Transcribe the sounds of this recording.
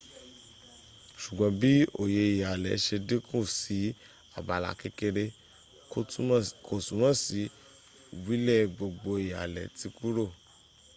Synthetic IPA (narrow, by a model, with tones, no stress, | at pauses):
ʃu˨ɡ͡bɔ̃˨˧˦bi˦o̰˨je˧i˨ja˨lɛ˨˦ʃe˧de˦kũ˦˨si˨˦ | a˨ba˨la̰˨ke˧ke˧ɾe˧ | ko˦˨ko˦˨tũ˨˦ã˦˨si˨˦ | wi˦lɛ˦˨ɡ͡bo˨ɡ͡bo˧i˨ja̰˨lɛ̰˨ti˧ku˦ɾo˦˨